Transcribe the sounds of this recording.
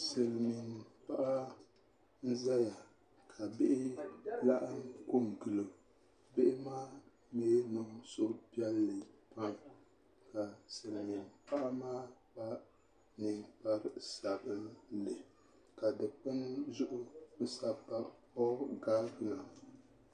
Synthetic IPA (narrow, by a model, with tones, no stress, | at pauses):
se˨lmi˨n˨pa˦ʔa˦ | n̩˦za˦ja˨ | kʰa˨be˦ʔɪ˦la˦ʔa˦mko˦m˨ɡɨ˨lo˨ | bɪ˦ʔɪ˦maː˦ | meː˦nɨ˦ŋso˦ʔpi˦ɛ˦lːɨ˨pa˦ŋ | ka˨sɨ˨lmi˨npa˦ʔa˦maː˦ba˦ | nɨ˨ŋpa˦ɾsa˨bɨ˦lɨ˨ | ka˨dɨ˨k͡pɨ˦nzʊ˦ʔʊ˦sa˦pa˦ | ɔ˦ɡaː˦bɨ˦na˨